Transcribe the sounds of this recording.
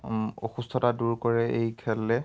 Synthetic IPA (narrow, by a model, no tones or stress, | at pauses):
o̰xustʰɔtaduɹkɔɹɛʔejkʰɛlɛ